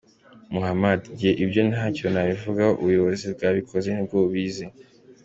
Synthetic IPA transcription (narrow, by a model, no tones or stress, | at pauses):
muhamadɟieʔibjo̞nhaco̞naβivuɡaoʔṵβujo̞βo̞zib̚ɡaːβikʰo̞ze̞nibɡoβiːzi